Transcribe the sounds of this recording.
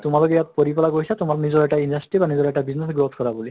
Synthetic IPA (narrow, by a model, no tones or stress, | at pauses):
tʊmalɔkɛjat̚poɹipɔlaɡojsatʊmalnizɔɹɛʈaindasʈɹibanizɔɹɛʈabiznesɡɹot̪ʰkɔɹabuli